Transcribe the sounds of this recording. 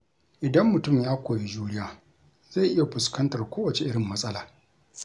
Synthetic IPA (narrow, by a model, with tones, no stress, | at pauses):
ʔɪ˨dɐ˦mːʊ˨tʊ˦˨mjaː˦kʷoː˨je˦d͡ʒuː˦ɽɪ˦jaː˨ | za˦˨ʔɪ˦ja˨ɸʊ˨skɐ˦ntɐ˨rkʷoː˦wɐ˨t͡ʃe˨ʔɪ˦ɽɪ˨mːɐ˦sʼɐ˦laː˨